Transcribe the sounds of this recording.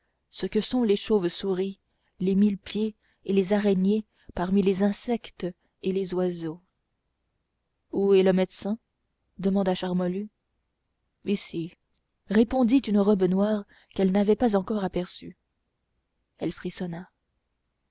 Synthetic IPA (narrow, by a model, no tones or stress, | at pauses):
səkəsɔ̃leʃovsuʁi | lemilpje | elezaʁɛnje | paʁmilezɛ̃sɛkt̪ | elezwazo | uɛləmɛd̪sɛ̃ | d̪əmɑ̃d̪aʃaʁmɔly | isi | ʁepɔ̃d̪it̪ynəʁɔbnwaːʁ | kɛlnavɛpazɑ̃kɔʁapɛʁsy̰ | ɛlfχisɔna